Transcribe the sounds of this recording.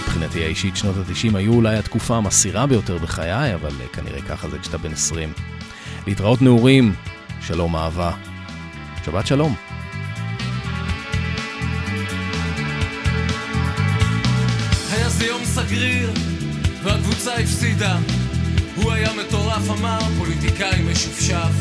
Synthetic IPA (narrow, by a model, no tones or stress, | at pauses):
ipχinat̪iaiʃitʃno̞tat̪iʃimhajuːlajat̪kufaːmasiʁabejo̞te̞ʁbeχajajava̰lkʰanḭʁeka̰χazekʃt̪abenesʁim | leitʁao̞tneuʁim | ʃalo̞maːva | ʃabat̪ʃalo̞m | hajazejomsaɡʁiʁ | veakvut͡saifsid̪a | huajame̞t̪o̞ʁafamaʁpo̞lit̪ikaimeʃufʃaf